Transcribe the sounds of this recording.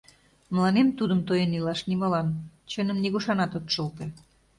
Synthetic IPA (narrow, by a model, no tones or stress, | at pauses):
məlɑnemt̪ud̪əmt̪ojenilɑʃnimɑlɑnt͡ɕənə̆mniɣuʃɑnɑt̪ot̪ʃɤlt̪e